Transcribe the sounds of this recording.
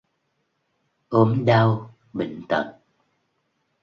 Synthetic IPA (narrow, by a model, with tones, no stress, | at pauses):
ʔo˨˦mɗa˧w | ɓḭ˧˨ŋ̟t̪ə̰˨˧˨n